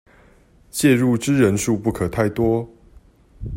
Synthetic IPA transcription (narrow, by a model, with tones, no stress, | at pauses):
t͡ɕjɛ˥˧ɻu˥˨ʈ͡ʂɻ̩˦ɻə˨˦nʂu˥˧pu˥˩kʰə˨˩t̪ʰa˥˨ɪt̪wɔ˥˦